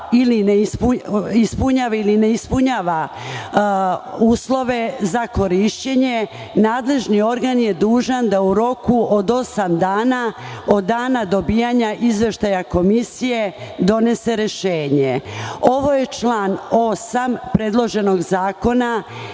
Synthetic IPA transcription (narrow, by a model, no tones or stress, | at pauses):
ilineispuispuɲaːʋailineispuɲaːʋa | uːslˠo̞ʋe̞zako̞ɾiʃt͡ɕe̞ɲe̞ | naːd̪le̞ʒnio̞ɾɡanje̞d̪uːʒand̪auɾo̞kuʔod̪o̞samd̪aːna | o̞d̪ːaːnad̪o̞biːjaɲaʔizʋe̞ʃt̪ajako̞misije̞d̪o̞ne̞se̞ɾeʃeːɲeo̞ʋo̞je̞t͡ʃlˠaːno̞sampɾe̞d̪lˠo̞ʒe̞no̞ɡzaːko̞na